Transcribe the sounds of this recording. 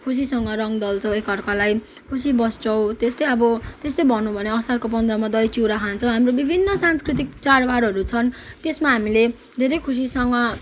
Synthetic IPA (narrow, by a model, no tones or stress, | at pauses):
kʰus̬isʌŋɡʌɾʌŋd̪ʌlt͡sʰʌ̃w̃ekʌrkalaj | kʰusibʌst͡sʌw̃t̪est̪ʌjʌbʌt̪est̪ʌjbʱʌnũbʱʌneʌsarkopʌnd̪rʌmad̪ʌjt͡siɾakʰant͡sʰʌ̃w̃ɦamɾobibʱinːʌsanskrit̪̬ik̚t͡saɽbaɽʌɾut͡sʰʌnt̪esmaɦamile | d̪ʱeɾʌjkʰus̬isʌŋɡʌ